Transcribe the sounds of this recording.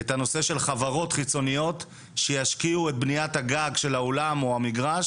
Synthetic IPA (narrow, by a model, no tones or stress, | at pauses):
etano̞se̞ʃe̞lχavaʁo̞tχit͡so̞nijo̞t | ʃejaʃkiuet̪̚bnijathaɡaɡʃe̞laolamoamiɡʁaʃ